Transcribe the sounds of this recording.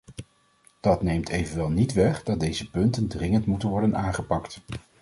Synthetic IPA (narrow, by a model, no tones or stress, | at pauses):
d̥ɑtnejmtʰejvənʋɛlˠnitʋɛχdɑt̚dejzəpɵntəndrɪŋəntmutənʋɔɹdənaːŋχəpɑkt